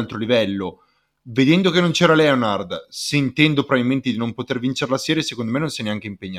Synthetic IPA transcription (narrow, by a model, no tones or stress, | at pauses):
lt̪ɾolivɛlːo | ved̪ɛnd̪okenːont͡ʃɛːɾalɛonard̪seint̪ɛnd̪opɾoβbabilment̪ed̪inompot̪ervint͡ʃeɾlasɛːɾjesekond̪omenːonsjɛnːeaŋk̟eimpeɲːa